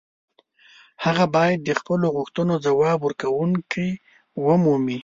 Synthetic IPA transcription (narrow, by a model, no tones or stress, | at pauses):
haɣabɑjad̪ːəxpəloɣʊxt̪ənod͡zawɑbwəɾkawuŋkʰəj | wəmumi